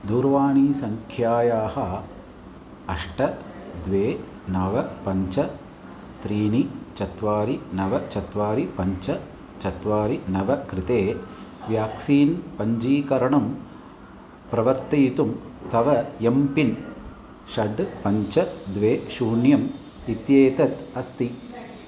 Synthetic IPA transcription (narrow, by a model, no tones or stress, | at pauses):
d̪uːɾʋaːɳiːsɐŋkʰjaːjaːhɐ | ɐʂʈɐd̪ʋeː | nɐʋɐpɐɲt͡ʃɐ | t̪ɾiːnit͡ʃɐt̪ʋaːɾinɐʋɐt͡ʃɐt̪ʋaːɾipɐɲt͡ʃɐ | t͡ʃɐt̪ʋaːɾinɐʋɐkɾit̪eːʋjaːksiːnpɐɲd͡ʒiːkɐɾɐɳɐm | pɾɐʋɐɾt̪ɐjit̪umt̪ɐʋɐjempin | ʃɐɖpɐɲt͡ʃɐd̪ʋeːʃuːɳjɐm | it̪jeːt̪ɐt̪ɐst̪i